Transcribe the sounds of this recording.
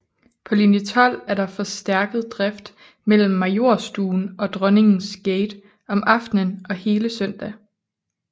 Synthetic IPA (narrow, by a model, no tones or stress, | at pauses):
pʰɒ̽linət͡sʰɒl̰æɐɾɑ̈fɒ̽sd̥æɐɡ̥əð̞̩ˠd̥ʁɛfd̥ | mel̰m̩ːɑ̈jo̝ɐ̰sd̥uːnʔɒ̽d̥ʁœne̝ŋn̩sɡ̥eɪd̥ | ɒ̽mʔɑ̈fd̥nənɒ̽he̝ːləsœn̰d̥æ